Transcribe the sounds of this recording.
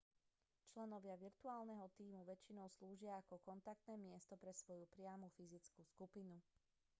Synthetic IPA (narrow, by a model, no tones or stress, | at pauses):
t͡ʃlɛnɔʋɪaʋiɾt̪uaːlnɛɦɔt̪iːmuʋɛt͡ʃinɔʊsluːʒɪaːkɔkɔnt̪ak̚t̪nɛːmɪɛst̪ɔpɾɛsʋɔjupɾɪamufizit͡skuːskupinu